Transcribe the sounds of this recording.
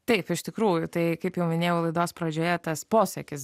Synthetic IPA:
t̪ɐɪpɪʃt̪ʲɪkɾuːjʊt̪ɐɪkɐɪpjɛʊmʲɪnʲeːjɛʊlˠɐɪd̪oːspɾɐd͡ʒʲoːjɛt̪ɐspoːsʲɛkʲɪs

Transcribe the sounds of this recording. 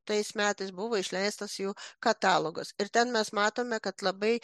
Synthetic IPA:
t̪ɐjsmʲæːt̪ɐɪsbuʋoiʃlʲɛjst̪ɐsjuːkɐt̪ɑːlˠoɡɐsɪɾt̪ʲɛnmʲɛsmɑːt̪oːmʲɛkɐt̪lˠɑbɐj

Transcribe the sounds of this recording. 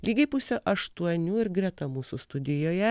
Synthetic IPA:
lʲiːɡʲɛɪpʊsʲoːʔɐʃt̪uɔnʲuːɪɾɡɾʲɛt̪ɐmuːsust̪ʊd̪ʲɪjoːjɛ

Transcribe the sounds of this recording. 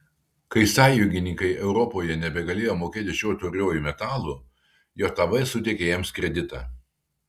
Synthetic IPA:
kɐɪsɑːjʊŋɡʲɪnʲɪŋkɐɪʔɛʊɾɔpoːjɛnʲɛbʲɛɡɐlʲeːjoːmoːkʲeːt̪ʲɪʃʲoːt̪ʊːɾʲoːjuˑmʲɛt̪ɑːlˠuː | joːt̪ɐʋɐsʊt̪ʲekʲejɛmskɾʲɛd̪ʲɪt̪ɑ̰

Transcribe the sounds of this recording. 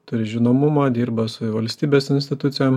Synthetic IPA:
t̪ʊɾʲɪʒʲɪnoːmʊmɑːd̪ʲiːɾbɐsʊʋɐlʲsʲt̪ʲiːbʲeɛːsɪnʲsʲt̪ʲɪt̪ʊt̪sʲɪjɛm

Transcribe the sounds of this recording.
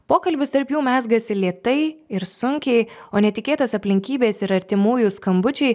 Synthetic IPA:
poːkɐlʲbʲɪst̪ɐɾpjuːmʲæːzɡɐsʲɪlʲiɛt̪ɐɪɪɾsʊŋʲkʲɛɪoːnʲɛt̪ʲɪkʲeːt̪osɐpʲlʲɪŋʲkʲiːbʲeːsɪɾɐɾʲt̪ʲɪmuːjʊskɐmbʊt͡ʃʲɛɪ

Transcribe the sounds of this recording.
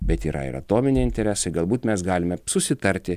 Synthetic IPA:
bʲɛt̪iːɾɐ̰ɪ̰ɾɐ̰t̪oːmʲɪnʲeɪnʲt̪ʲɛɾʲɛsɐɪɡɐlˠbuːt̪mʲɛsɡɑːlʲɪmʲɛsʊsʲɪt̪ɐɾʲt̪ʲɪ

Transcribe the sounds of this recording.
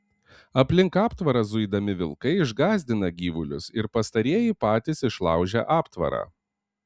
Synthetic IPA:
ɐpʲlʲɪŋkɑːpt̪ʋɐɾɐzʊɪd̪ɐmʲɪʋʲɪ̰lˠkɐɪɪʒɡɑːzʲd̪ʲɪnɐɡʲiːʋʊlʲʊsɪɾpɐst̪ɐɾʲiɛjipɑːt̪ʲɪsɪʃlˠɑ̰ʊʒʲɛ̰ʔɑːpt̪ʋɐ̰ɾɑ̰ː

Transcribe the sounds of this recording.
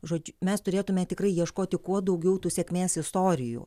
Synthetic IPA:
ʒoːd͡ʒʲmʲɛst̪ʊɾʲeːt̪ʊmʲɛt̪ʲɪkrɐɪjiɛʃkoːt̪ʲɪkuɔd̪ɐʊɡʲɛʊt̪uːsʲɛkʲmʲeːsɪst̪oːɾʲɪjṵː

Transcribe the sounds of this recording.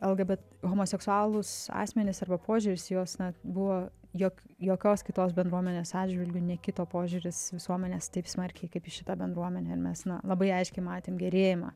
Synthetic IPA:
ɛlˠɡɐbʲɛt̪ | ɣoːmoːsʲɛksʊɑːlˠʊsɑ̰ːsʲmʲɛnʲɪsɐrbɐpʰoːʒʲʊɾʲɪsjoːsnɐbʊʋoː | joːkjoːkʲoːskʲɪt̪oːsbʲɛnd̪ɾuɔmʲɛnʲeːsɑːdʲd͡ʒʒʲʋʲɪlʲɡʲʊnʲɛkʲɪt̪oːpoːʒʲʊɾʲɪsʋʲɪsuɔmʲɛnʲeːst̪ɐɪpsmɐɾʲkʲɛɪkɐɪpɪʃʲɪt̪ɑbʲɛnd̪ɾuɔmʲɛnʲɛɪɾmʲɛsnɐlˠɐbɐɪɐɪʃʲkʲɛɪmɑːt̪ʲeːmɡʲɛɾʲeːjɪmɐ̰

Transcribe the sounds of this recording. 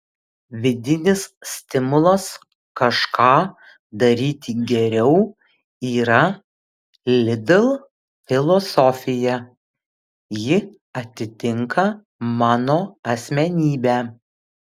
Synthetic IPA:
ʋʲɪd̪ʲɪnʲɪssʲt̪ʲɪmʊlˠɐs | kɐʃkɑː | d̪ɐɾʲiːt̪ʲɪɡʲɛɾʲɛʊ | iːɾɐ | lʲɪd̪ʲɛlˠ | fʲɪlˠɔsɔfʲɪjɛ | jɪ | ɐt̪ʲɪt̪ʲɪŋkɐ | mɑːnoːɐsʲmʲɛnʲiːbʲæː

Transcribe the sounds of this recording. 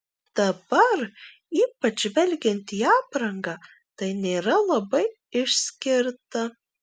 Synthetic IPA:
d̪̥ɐbɐɾ | iːpɐt͡ʃʋʲɛlʲɡʲɛnʲt̪ʲiːɑːpɾɐŋɡɑː | t̪ɐɪnʲeːɾɐlˠɐbɐɪ | ɪʃsʲkʲɪɾt̪ɐ

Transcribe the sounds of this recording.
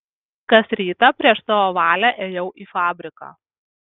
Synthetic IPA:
kɐsɾʲiːt̪ɐpʲɾʲiɛʃsɐʋoːʋɑːlʲæʔeːjɛʊʔiːfɑːbʲɾʲɪkɑ̰ː

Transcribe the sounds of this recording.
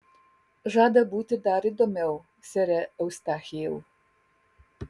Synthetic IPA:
ʒɑːd̪ɐbuːt̪ʲɪd̪aːɾɪd̪ɔmʲɛw | sʲɛɾʲɛɐwst̪axʲijɛw

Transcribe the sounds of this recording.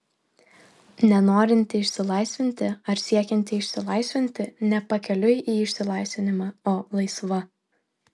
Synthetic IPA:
nʲɛnoːɾʲɪnʲt̪ʲɪɪʃʲsʲɪlˠɐɪsʲʋʲɪnʲt̪ʲɪɐɾsʲiɛkʲɛnʲt̪ʲɪɪʃʲsʲɪlˠɐɪsʲʋʲɪnʲt̪ʲɪnʲɛpɐkʲɛlʲʊjʔiːɪʃʲsʲɪlˠɐɪsʲʋʲɪnʲɪmɑoːlˠɐɪsʋɐ

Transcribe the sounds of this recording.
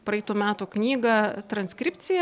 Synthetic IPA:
pɾɐɪːt̪uːmʲæːt̪uːknʲiːɡɐt̪ɾɐnʲsʲkɾʲɪpʲtsʲɪjɛ

